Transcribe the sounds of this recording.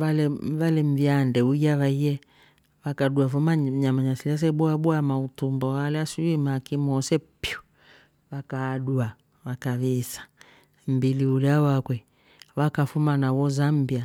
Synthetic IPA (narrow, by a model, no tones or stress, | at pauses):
valɛvalɛm̩vjandɛuiaβaiɛ | wakaɗuafumaɲamaɲasilas̬ɛbuabuamautumbɔwalɛasuimakimɔsɛ | pjɔ | wakadua | wakaβisḁ | m̩biliulɛawakwɛ | wakafumanawɔzambia